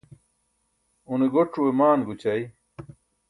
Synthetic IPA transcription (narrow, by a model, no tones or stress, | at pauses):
uneɡoʈ͡ʂuwemaːnɡut͡ɕɐi